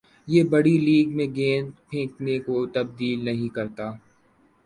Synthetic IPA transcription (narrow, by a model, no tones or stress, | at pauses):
jeːbɐɽiliːɡmẽɡẽːnpʰẽːknekot̪ɐb̚d̪iːlnɐɦĩkɐɾt̪aː